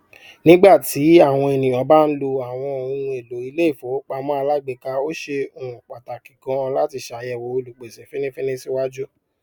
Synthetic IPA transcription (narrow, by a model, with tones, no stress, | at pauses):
nĩ˦ɡ͡ba˦˨ti˨˦a˦˨w̃ɔ̃˧e˨nĩ˨j̃ɔ̃˨˦ba˦n̩˦lo˧a˨w̃ɔ̃˧o˨ũ˨˧ũ˧e˨lo˨˦i˧le˦i˦˨fo˨˦k͡pa˨˦mɔ̃˦a˧la˦˨ɡ͡be˨ka˧o˦ʃe˧o˨ũ˨k͡pa˨ta˨kĩ˨kã˧la˦ti˧˨ʃa˨˦jɛ˨wo˨˦o˧lu˨k͡pe˨sɛ˨˦fe˦nĩ˦fe˦nĩ˦si˦wa˦d͡ʒu˦